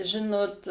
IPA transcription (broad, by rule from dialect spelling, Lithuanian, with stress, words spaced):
ˈʒʲɪnoːt